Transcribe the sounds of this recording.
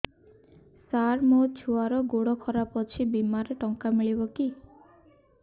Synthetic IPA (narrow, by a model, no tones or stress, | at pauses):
saɾmot͡ʃʰuaɾɔɡoɽɔkʰɔɾapɔt͡ʃʰibimaɾeʈɔŋkamiɭibɔki